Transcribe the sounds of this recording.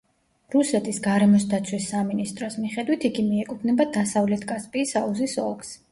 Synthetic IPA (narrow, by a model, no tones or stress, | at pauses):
ɾusɛt̪ʼisɡaɾɛmɔs̬d̪at̪sʰwisːaminist̪ʼɾɔsmiχɛd̪wit̪ʰiɡimiɛkʼud̪ʰnɛbad̪asavlɛt̪ʰkʼaspʼiːsauzisɔ̰lˠkʰs